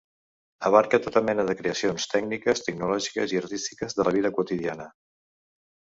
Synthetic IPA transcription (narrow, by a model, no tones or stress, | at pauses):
əβaɾkət̪ot̪əmɛnəðəkɾeəsionst̪ɛɡnikəst̪əɡnulɔʒikə̰ziəɾt̪ist̪i̥kəzðələβiðəkuut̪iðianə